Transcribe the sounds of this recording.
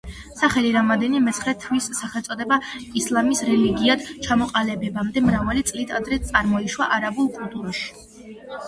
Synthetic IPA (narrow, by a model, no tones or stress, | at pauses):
saχɛliɾamɔd̪ɛnimɛt̪sʰχɾɛt̪ʰwisːaχɛlˠt̪sʼɔd̪ɛbaislˠamisɾɛliɡiad̪̥t͡ʃʰamɔqʼalɛbɛbamd̪ɛmɾavalit̪sʼlit̪ʰad̪ɾɛt̪sʼaɾmɔiʃwaʔaɾabulˠkʼulˠt̪ʼuɾaʃi̥